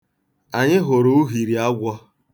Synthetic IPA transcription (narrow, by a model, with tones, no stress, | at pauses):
a˨ɲɪ˦ɦo˨ɾo˦u˦ɦi˨ɾi˨a˦ɡʷɔ˦